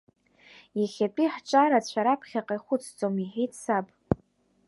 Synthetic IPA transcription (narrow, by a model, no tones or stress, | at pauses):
jaχʲapʼiħt͡ʃʼaɾat͡ɕʷʰaɾapʰχʲaqʼajχʷʊt͡sʰʼt͡sʼomiħejtʰʼsapʼ